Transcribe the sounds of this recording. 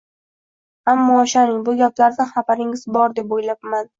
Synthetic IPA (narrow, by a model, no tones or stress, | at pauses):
amːɒːʃanɪŋbʊɡʲaplaɾd̪aχabaɾɪŋɪzbɒɾd̪e̞pojlapman